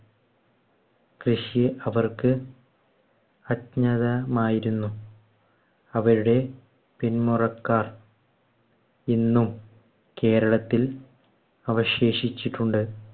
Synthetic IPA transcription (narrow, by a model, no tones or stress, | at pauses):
krɨʂijeʔɐʋɐrkɨ | ɐtɲɐðɐmaːjiɾunːu | ɐʋɐɾuɽe̞ | pinmurɐkːaːr | inːum | ke̞ːɾɐɭɐt̪ːil | ɐʋɐɕe̞ːɕit͡ɕːiʈːuɳɖɨ